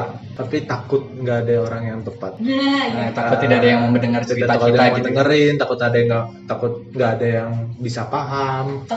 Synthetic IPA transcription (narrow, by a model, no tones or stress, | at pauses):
t̪apit̪akʊt̪̚ŋɡaːdaoɾaŋjaŋt̪əpat̪̚t̪aʊt̪ːidaadajaŋməmbəndəŋart͡ʃəɾiat̪akadaamat̪əŋəɾɪnt̪akʊt̪adaŋɡat̪akʊt̪̚ŋɡaʔːdajaŋbisapaɦam